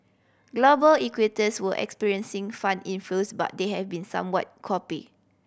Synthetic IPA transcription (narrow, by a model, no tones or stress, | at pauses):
ɡlobəlikwitəswəʔɛ̰kspiɹiə̃nsĩŋfãndĩnflosba̰t̚deɦɛvbĩnsã̰mwɔ̰t̚kʰɔpi